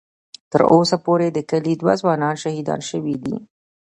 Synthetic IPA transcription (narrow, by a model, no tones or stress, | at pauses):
t̪əɾosapoɾed̪əkəlid̪wa̰zwɑnɑnʃahid̪ɑ̰nʃəwid̪ḭ